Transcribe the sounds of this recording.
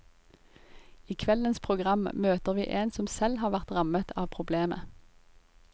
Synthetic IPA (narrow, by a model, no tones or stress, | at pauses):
iːkʰʋɛlənspʰʁʊɡʁɑmmøːt̪əʁʋḭːʔeːnsɔmsɛlhɑːʁʋæʁt̪ʁɑmət̪ʰɑːʋpʰʁʊbleːmə̰